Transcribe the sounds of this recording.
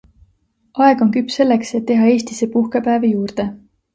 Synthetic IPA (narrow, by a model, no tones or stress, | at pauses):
ʔɑe̞ɡ̥o̞nkypːse̞lːe̞kset̪ːe̞ɦɑe̞ːst̪ise̞puhkepæːvejuːrd̪̥e̞